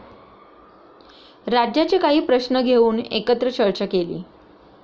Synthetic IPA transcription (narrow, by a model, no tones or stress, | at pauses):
ɾad͡ʑjat͡ɕikaɦiːpɾəɕnəɡʱeuːnḛkət̪ɾət͡ɕəɭt͡ɕakelḭː